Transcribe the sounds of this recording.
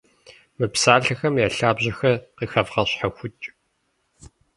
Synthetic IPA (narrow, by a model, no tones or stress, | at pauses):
mɨpsaːɮɐxɐmjaːɬaːbʑɐxɐqiːxɐvʁɐɕħaxʷʊt͡ʃʼ